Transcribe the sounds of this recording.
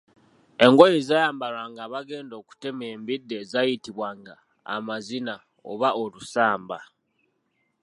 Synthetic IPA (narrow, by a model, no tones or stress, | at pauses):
e̞ŋɡojezajaːmbaɾwaːŋɡaːβaɡe̞ːndo̞ku̥te̞me̞ːmbidːe̞zajitiβwaːŋɡa̰ː | mazina | o̰βaolusaːmba